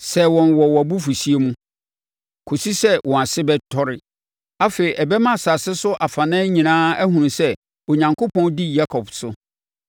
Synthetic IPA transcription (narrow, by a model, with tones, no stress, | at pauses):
sɛ˨wɔ̃˨nwɔ˨wɔ˨æ˨bu˦fu˨si˦e˦mũ˦ | kʰo˨si˦sɛ˦wɔ̃˨a˨sɪ˦bɛ˦tʰɔ˦ɾɪ˦ | a˦fe˨i˨ʔɛ˨bɛ˦mã˦˨sa˨sɪ˦sʊ˦ʔa˨fa˨nã˦ɲĩ˨nãː˦æ˦ɦũ˨nũ˨sɛ˦ | o˨ɲã˨ŋkʰo˦pɔ̃˦ndi˦ja˦kʰɔ˨bsʊ˦